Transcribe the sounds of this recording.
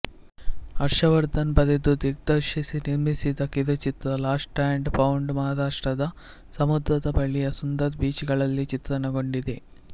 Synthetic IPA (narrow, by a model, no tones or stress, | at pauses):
ɐɾʃɐʋɐɾd̪ɐnbɐd̪ed̪ud̪iɡ̚d̪ɐɾʃisiniɾmisid̪ɐkːid̪ot͡ʃit̪ɾɐlaːsʈaːɳɖpɐwɳɖmɐːd̪aːʂʈɾɐd̪ɐ | sɐmud̪ɾɐd̪ɐbɐɭijɐsund̪ɐt̪biːt͡ʃiɡɐɭɐlːit͡ʃit̪ɾɐnɐɡo̞ɳɖid̪e